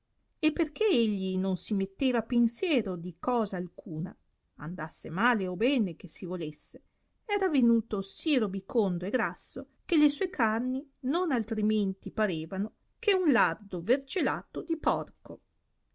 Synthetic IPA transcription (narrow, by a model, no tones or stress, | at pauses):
epːerkeeʎːinonsimet̪ːeːvapensjɛːɾod̪ikɔːzaːlkʰuːna̰ | a̰nd̪asːemaːleobɛːnekesivolesːe | ɛːɾavenuːt̪osiɾobikʰond̪oeɡɾasːo | k̟elesuɔːekʰarninonalt̪ɾiment̪ipaɾeːvano | kʰeunlard̪overd͡ʒelaːt̪od̪ipɔrko